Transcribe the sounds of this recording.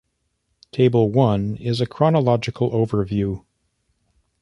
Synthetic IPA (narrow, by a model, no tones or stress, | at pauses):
tʰeɪbl̩ˠwʌ̃nɪzɨkʰɹ̥ɑnəlɑd͡ʒɨkʰl̩ˠʔoʊvə˞vjʉ